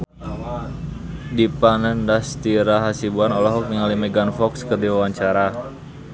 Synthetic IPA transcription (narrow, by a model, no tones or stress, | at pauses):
dipanəndast̪iɾaɦasibuanɔlɔɦɔk̚niŋalimɛɡanfɔkskərdiwawaɲt͡ʃaɾa